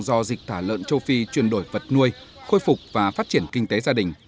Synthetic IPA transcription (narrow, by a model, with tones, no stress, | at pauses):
zɔ˧zi˨˩k̟̚t̪ʰaː˧˩lə̰ː˧˨nt͡ɕə˧wfi˧t͡ɕwi˨˩ənɗo˧˩jvə˨˩t̚nu˧əj | xo˧jfʊ˨˩k͡p̚vaː˨˩faː˦˥t̚t͡ɕi˧˩ənkï˧ŋ̟t̪e˨˦zaː˧ɗï˨˩ŋ̟